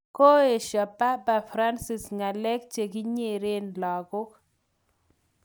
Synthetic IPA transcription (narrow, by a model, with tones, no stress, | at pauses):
ko˦e˨ʃa˨pːa˦pa˨fɾa˦nsi˨sŋa˨lɛ˦kt͡ʃe˨ki˦ɲe˦˨ɾe˦nlɔ˨ɡʊ˦k